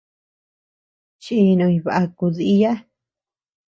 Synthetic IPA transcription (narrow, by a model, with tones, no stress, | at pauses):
t͡ʃi˦˧nõ˧ĩ˧βa˨ʔa˧ku˧ði˧i˦˧ja˦